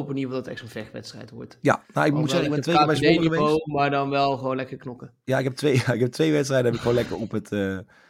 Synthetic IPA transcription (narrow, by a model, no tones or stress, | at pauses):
pənivlˠdɔtɛχtənvlɛχʋɛ̰tstrɛ̰jtʋɔ̰ɹtja̰naɪk̚mutsɛmɛtʋejbɛjsɔəmeowmaːɹdɔnʋɛlˠχəʋoːnlɛkəɹknɔkə | jaɪkɦɛp̚tʋejɪkɦɛp̚tʋejʋɛtstrɛjdəɦɛp̬ɪkxχʋoːnlɛkə̰ɹɔpətə